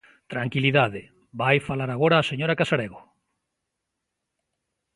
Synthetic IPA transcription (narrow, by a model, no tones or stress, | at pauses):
t̪ɾaŋkiliðaðɪ | bajfalaɾaɣoɾaːseɲoɾakasaɾeɣo